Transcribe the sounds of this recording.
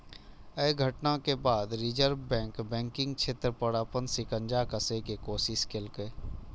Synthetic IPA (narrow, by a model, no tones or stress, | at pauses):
əːɡʱəʈnakebaːd̪ɾɪd͡ʒəɾbbɛ̃ːŋkbɛ̃ːŋkɪ̃ŋɡt͡ʃʰet̪ɾəpəɽaːpənsɪkə̃nd͡ʒakəsekekoːsɪskelkəe